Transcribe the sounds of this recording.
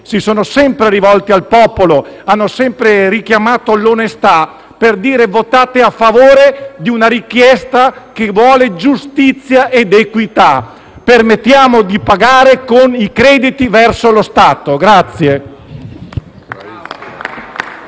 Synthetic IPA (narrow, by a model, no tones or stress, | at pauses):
sisoːnosɛmpɾeɾivɔlt̪ialpɔpoloanːosɛmpɾerik̟jamaːt̪olonest̪a | perd̪iːɾevot̪aːt̪eafːavoːɾed̪iunaɾikjɛst̪akevwɔːled͡ʒust̪it̪sːjaʔed̪ekwit̪a | permet̪ːjaːmod̪ipaɡaːɾekonikɾɛːd̪it̪ivɛrsolost̪aːt̪oɡɾat̪sːje